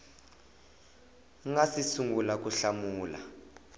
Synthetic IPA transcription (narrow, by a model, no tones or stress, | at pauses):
ŋasisuŋɡulak̬ʼuɬamuːla̰